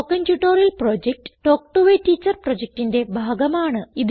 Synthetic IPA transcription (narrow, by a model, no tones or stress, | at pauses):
okɐntjuʈːoːɾjɐlproːd͡ʑek̚ʈɨ̥ʈo̞ːk̚ʈuʋeʈːiːt͡ɕːɐrproːd͡ʑek̚ʈinde̞bʱaːɡɐmaːɳɨið